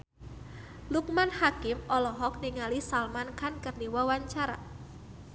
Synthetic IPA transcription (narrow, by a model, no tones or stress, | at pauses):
luk̚manhakɪmɔlɔɦɔk̚niŋalisalmankankərniwawaɲt͡ʃaɾa̰